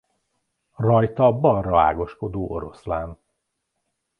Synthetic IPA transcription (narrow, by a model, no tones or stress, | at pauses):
rɒjt̪ɒbɒrɒa̰ːɡo̞ʃko̞d̪oːʔo̞ɾo̞slaːn